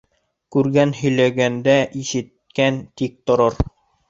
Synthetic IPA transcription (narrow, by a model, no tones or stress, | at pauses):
kʉɾɡænhɵ̆jlæɡænd̪æʔiʃɘ̆t̪ | kænt̪ik̚t̪ŏɾɤɾ